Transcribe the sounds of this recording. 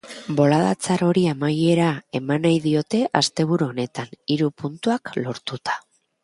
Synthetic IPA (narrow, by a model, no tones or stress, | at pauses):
bo̞laða̰t͡saɾo̞ɾiamaje̞ɾae̞manajðio̞t̪e̞ʔast̪e̞β̞uɾuo̞ne̞t̪aniɾupunt̪uaklo̞ɾt̪ut̪ḁ